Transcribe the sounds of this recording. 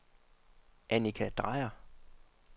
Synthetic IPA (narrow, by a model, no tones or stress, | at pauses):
ʔænikʰæd̥ʁɑ̈ɪɐ